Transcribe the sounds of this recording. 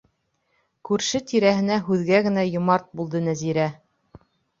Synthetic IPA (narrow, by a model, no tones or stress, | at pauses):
kʉɾʃɘt̪iɾæɦɘ̆næɦʉðɡæɡɘ̆næjŏmɑɾt̪̚bulˠd̪ɤnæziɾæ